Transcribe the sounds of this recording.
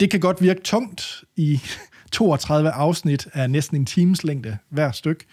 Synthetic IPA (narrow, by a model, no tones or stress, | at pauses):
d̥e̝kʰæɡ̥ɒ̽d̥ʋiɐɡ̥ət͡sʰɔ̽ŋ̰d̥i | t͡sʰo̝ːɒt͡sʰʁɑ̈ð̞ˠʋəʔɑ̈ʊsnid̥ænesd̥n̩e̝nt͡sʰiːməsleŋ̰d̥əʋæɐ̰sd̥øɡ̥